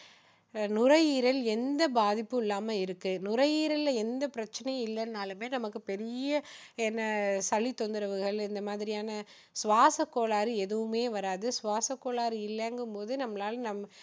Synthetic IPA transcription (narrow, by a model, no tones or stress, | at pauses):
nʊɾɐjiːɾɐlɛnd̪ɐbaːðɪpːɯ̃ɪlːaːmɐɪɾɯkːɯnʊɾɐjiːɾɐlɐɛnd̪ɐpɪɾɐt͡ʃːɐnɐj̃ɪlːɐnnaːlɯmeːnɐmɐkːɯpɛɾɪjɐɛnːɐsɐɭːit̪ːond̪ɯɾɐʋɯɣɐɭɪnd̪ɐmaːðɪɾɪjaːnɐ | sʋaːsɐkːoːɭaːɾɯɛðɯʋɯmeːʋɐɾaːðɯsʊʋaːsɐkːoːɭaːɾɯɪlːɐŋɡɯmpoːðɯnɐmɐlaːlnɐmɐ